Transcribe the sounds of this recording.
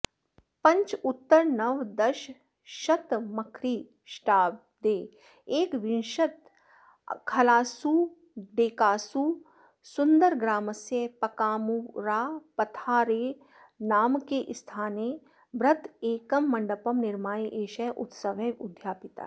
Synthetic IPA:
pɐ̃ɲt͡ʃʊt̪ːəɾnɐʋd̪ɐʃ | ʃɐt̪mɐkʰɾiː | ʃʈaːb̚ | d̪eː | eːkʋɪnʃɐt̪ | kʰɐlaːsuː | ɖeːkaːsuː | sʊnd̪əɾɡɾaːməsepɐkaːmuɾaːpɐt̪ʰaːɾeː | naːmkeʔɪst̪ʰaːneː | bɾɐt̪eːkɐmːɐɳɖəpɐmnɪɾmaːjiʔeːʃɐʔʊt̪sɐʋeʊd̪ʱjaːpɪt̪a̰ː

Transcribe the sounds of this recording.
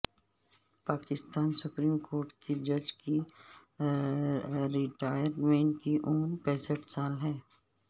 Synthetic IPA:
paːkɪst̪aːnsʊpɾiːmkoːɾʈkʰed͡ʒɐd͡ʒki | ɾɪʈaːjəɾmẽːɳʈkiʔʊːmpɛːsəʈsaːlɦɛː

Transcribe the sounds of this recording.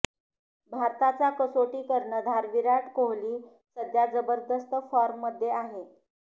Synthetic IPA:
bʱaɾt̪at͡sakəsoʈiːkəɾɳəd̪ʱaɾʋiɾaʈkoɦliː | səd̪ʱjad͡zəbəɾd̪əst̪əfɔɾmːəd̪ʱːjeaɦe

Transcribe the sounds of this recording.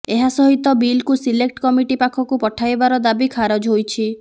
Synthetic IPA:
eɦasɔɦit̪ɔbilkusilek̚ʈkɔmiʈipakʰɔkupɔʈʰajbaɾɔd̪abikʰaɾɔd͡ʒɦojt͡ʃʰi

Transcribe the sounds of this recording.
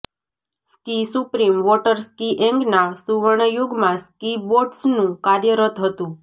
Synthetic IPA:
skisupɾimʋɔʈəɾskiʔeŋɡnasuʋəɳ̃juɡmãskiboʈsnũkaɾjəɾət̪ɦət̪ũ

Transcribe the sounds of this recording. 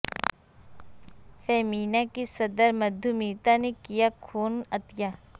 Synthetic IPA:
fɛːmiːnakisɐd̪əɾmɐd̪ʱumiːt̪anekijakʰoːnət̪jaː

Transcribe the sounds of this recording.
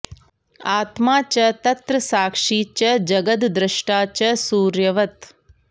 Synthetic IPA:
aːt̪maːt͡ʃɐt̪ɐt̪ɾɐsaːkʂiːt͡ʃɐd͡ʒɐɡɐd̪d̪ɾɪʃʈaːt͡ʃɐsuːɾjɐʋɐt̪

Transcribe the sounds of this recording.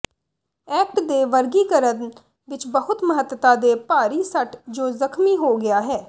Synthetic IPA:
ɛːk̚ʈd̪eːʋəɾɡikəɾə | ʋɪt͡ʃbəɦʊt̪məɦət̪ːwət̪ad̪eːpaːɾisəʈd͡ʒoːzəkmiɦoɡɐjaːɦɛː

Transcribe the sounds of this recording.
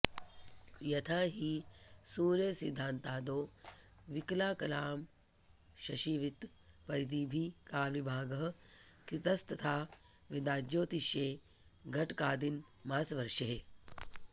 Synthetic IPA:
jɐt̪ʰaːɦisuːɾjɐsid̪ʱːaːnt̪aːd̪oː | ʋiklaːkɐlaːm | ʃɐʃiːʋit̪ | pɐɾjd̪iːbʱikaːlʋibʱaːɡɐɦɐ̆kɾit̪ɐst̪ɐt̪ʰaː | ʋid̪aːd͡ʒjoːt̪iʃeː | ɡʱɐʈkaːd̪in | maːsʋɐɾʃɐɦe

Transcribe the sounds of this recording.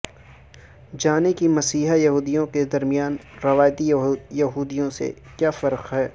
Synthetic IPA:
d͡ʒaːnekimɐsiːɦajɐɦuːd̪ijõked̪ɐɾmijaːnɾɐʋaːjt̪ijɐɦuːd̪ijõsḛ | kjaːfɐɾqɦɛː

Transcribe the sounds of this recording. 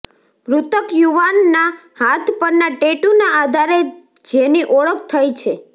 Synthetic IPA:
ɾut̪əkjuʋanːahat̪ʰpəɾnaʈeʈunaad̪ʱaɾe | d͡ʒeniʔɔɭək̚t̪ʰəjt͡ʃʰe

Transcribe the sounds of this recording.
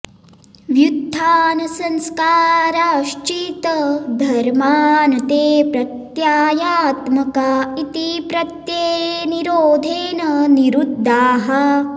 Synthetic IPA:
ʋjud̪ʱːaːnɐsɐnskaːɾaːʃt͡ʃit̪ɐd̪ʱɐɾmaːnɐt̪eːpɾɐt̪jaːjaːt̪mɐkaːit̪ipɾɐt̪jeːniɾoːd̪ʱeːnɐniɾud̪ʱːaːɦɐ

